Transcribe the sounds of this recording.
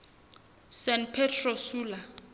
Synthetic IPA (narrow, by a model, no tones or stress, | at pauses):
sɛntpʰɛtʰrosuːla